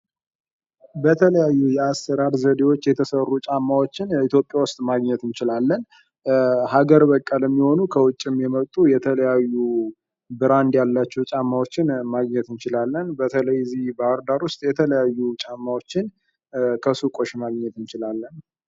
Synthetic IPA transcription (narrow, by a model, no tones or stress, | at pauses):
bət̪ʰələjajːujɛasːəɾaɾzəd̪ewo̞t͡ʃːjɛt̪ʰəsərːut͡ʃʼamːawot͡ʃːɪnit̪ʰjopʼːjawʊst̪ʼmaɡɲɛt̪ɨnt͡ʃɪlalːən | haɡəɾbəkʼːalɛmːiho̞nukʰəwʊt͡ʃʼːɪmjɛmət̪ʼujɛt̪ʰələjajːu | bɨɾand̪jalːat͡ʃːɛwt͡ʃʼamːawo̞t͡ʃːɪnmaɡɲɛt̪ɨnt͡ʃɪlalːənbət̪ʰələjzihbəaɾd̪aɾwʊst̪ʼjɛt̪ʰələjajːut͡ʃʼamːawo̞t͡ʃːɪn | kʰəsukʼo̞ʃmaɡɲɛt̪ɨnt͡ʃɪlalːən